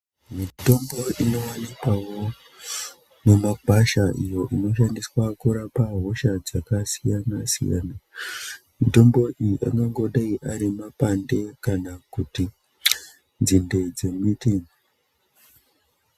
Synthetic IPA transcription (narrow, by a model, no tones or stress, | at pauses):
mito̞mbo̞ʔino̞wanikawo̞ | ne̞makaʃaʔijo̞ʔino̞ʃandiswakuɾapaɦo̞ʃad͡zakasijanasḭja̰na | mito̞mbo̞ʔijiʔa̰ŋɡaŋɡo̞ɗaiʔaɾimapande̞kanakuti | nd͡zinde̞d͡ze̞mitiŋo